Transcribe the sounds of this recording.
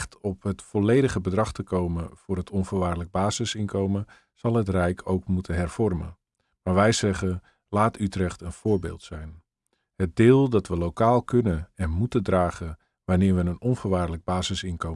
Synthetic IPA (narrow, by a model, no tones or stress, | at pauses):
xtɔpɦətfɔlejdəχəbədrɑχtəkowməv̥ʊːɾɦətɔnvəːɹʋaːrdələɡ̚baːzɪsɪnkʰowmən | z̥ɑlˠɦətrɛjkʰowkmutənɦɛrv̥ɔrmə̰n | maːɹʋɛjzɛχə | laːtytrɛχtənv̥ʊːɹbɪ̰ːlˠtsɛjn | hət̚dɪːlˠdɑtʋəlowkaːlˠkʰɵnənɛnmutəndraːχə | ʋanɪːɹʋənənɔnvəɹʋaːrdələɡ̚baːzɪsɪnkow